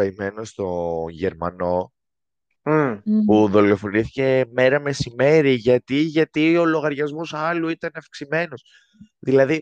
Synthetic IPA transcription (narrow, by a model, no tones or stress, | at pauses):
ɐime̞nost̪o̞ʝe̞ɾmɐno̞ | puðo̞lo̞fo̞niθice̞me̞ɾɐme̞sime̞ɾiʝɐt̪iʝɐt̪io̞lo̞ɣɐɾʝɐzmosɐluit̪ɐnɐfksime̞no̞s | ðilɐði